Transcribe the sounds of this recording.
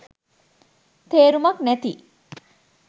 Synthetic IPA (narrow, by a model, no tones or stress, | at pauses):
t̪eːɾumɐknæt̪i